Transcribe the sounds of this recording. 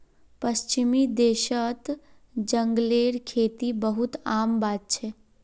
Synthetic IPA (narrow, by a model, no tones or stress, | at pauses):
pəst͡ʃimid̪eʃət̪ | d͡ʒəŋɡleɾkʰet̪ibəɦut̪ambat̪̚t͡ʃʰɛ